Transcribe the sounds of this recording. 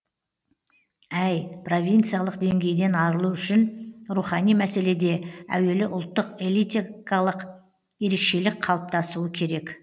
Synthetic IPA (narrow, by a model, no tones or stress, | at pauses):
æjpro̞vʲijnt̪sɨijalˠəqd̪e̞ŋɡʲe̞jd̪e̞nɑɾəlˠuʏʃɪnɾuχɑnijmæse̞le̞d̪e̞æ̰we̞lɪʔʊlˠt̪ːəqelˠit̪ikɑlˠəq | je̞ɾe̞kʃe̞lɪk̚qʰɑlˠəp̚t̪ɑsuəkʲʰe̞ɾe̞k